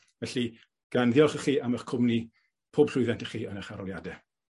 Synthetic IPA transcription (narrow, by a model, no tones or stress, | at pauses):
vɛɬi | ɡ̥anðɪɔlˠχəχiːʔaməχkʰʊmni | pʰoːb̥ɬʊɨðɛntəχiːənəχaɾɔljadɛ